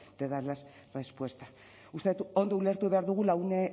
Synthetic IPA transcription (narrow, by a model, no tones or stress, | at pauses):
d̪̥eðalas | respwe̞st̪ḁ | ust̪eut̪uo̞nd̪oule̞ɾt̪uβe̞aɾðuɣ̞ulaune